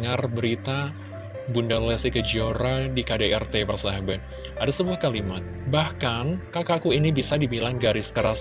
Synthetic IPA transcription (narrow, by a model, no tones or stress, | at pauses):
ŋarbəɾit̪a | bundalɛsikəd͡ʒioɾadikadaɛrt̪epərsaɦaban | adasəbuahkalimat̪̚bahkankakakuinibisadibilaŋɡaɾɪskəɾas